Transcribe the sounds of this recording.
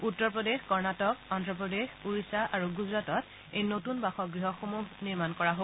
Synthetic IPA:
utːɔɹpɹɔdexkɔɹnatɔkɔndɹɔp̬ɹɔdexuɹisaʔaɹuɡuzɹatɔt | ejnotunbaxɔɡɹiɦɔxomuɦniɹmankɔɹaɦo

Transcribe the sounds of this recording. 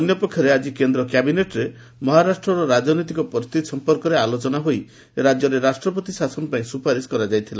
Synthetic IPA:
ɔnjɔpɔkʰjɔɾead͡ʒikend̪ɾɔkjabineʈɾe | mɔɦaɾasʈɾɔɾɔɾad͡ʒɔnɔt̪ikɔpɔɾt̪isɔmpɔɾkɔɾealot͡ʃɔnaɦoj | ɾad͡ʒjɔɾeɾasʈɾɔpɔt̪isasɔnɔpãĩsupaɾiskɔɾad͡ʒajt̪ʰila

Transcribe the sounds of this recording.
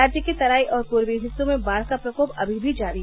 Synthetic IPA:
aːd͡ʒjəkit̪ɐɾaːiʔɔːɾkuɾʋiːɦɪsumẽbaːɾsapɾɐkoːpɐ̰bʱibʱid͡ʒaːɾiɦ

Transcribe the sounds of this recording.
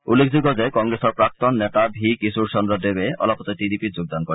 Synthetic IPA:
ulːekʰzuɡɔzakɔŋɡɹesɔɹpɹak̚t̪ɔnːɛt̪abʱikisuɹsɔnɹɔdebeɔ̰lɔpɔt̪ɔtidipitzoɡ̚d̪ankɔɹi

